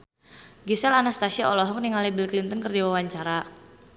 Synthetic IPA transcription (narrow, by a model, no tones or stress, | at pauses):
ɡisɛlanast̪aʃiɔlɔɦɔk̚niŋalibilklint̪ənkərdiwawaɲt͡ʃaɾa